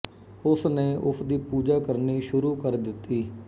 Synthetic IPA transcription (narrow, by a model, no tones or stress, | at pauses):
ʊsneːʔʊsd̪iːpuːd͡ʒaːkəɾniːʃʊɾuːkəɾd̪ɪt̪ːiː